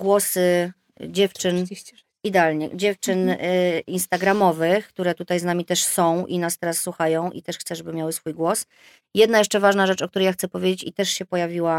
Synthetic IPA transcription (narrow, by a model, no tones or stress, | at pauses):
ɡwɔsɘ | d͡ʑɛft͡ʂɘn | id̪ɛalɲɛ̰d͡ʑɛft͡ʂɘninst̪aɡɾamɔvɘxk̚t̪uɾɛt̪ut̪ajznamʲit̪ɛʂsɔ̃w̃ʔḭnast̪ɛɾasːwuxajɔ̃w̃ʔḭt̪ɛʂxt̪sɛʐɛbɘmʲjawɘsfujɡwɔs | jɛd̪najɛʂt͡ʂɛvaʐnaʐɛt͡ʂɔk̚t̪uɾɛjaxt̪sɛpɔvʲjed͡ʑet͡ɕit̪ɛʂɕɛpɔjavʲiwa